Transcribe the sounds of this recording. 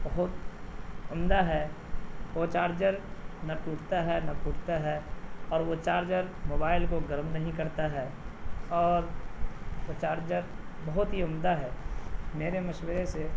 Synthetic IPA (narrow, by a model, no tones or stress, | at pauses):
bɐɦʊt̪ | ʊmd̪aɦɛ | ʋot͡ʃaːɾd͡ʒəɾnaʈuːʈʰt̪aɦɛnɐpuːʈʰt̪aɦɛɔːɾʋot͡ʃaːɾd͡ʒəɾmoːbaːɪlkoɡəɾmnɐɦĩkɐɾt̪aɦɛːɔːɾ | ʋot͡ʃaːɾd͡ʒəɾbɐɦʊt̪ɦiʊmd̪aɦɛːmeːɾemɐʃwəɾese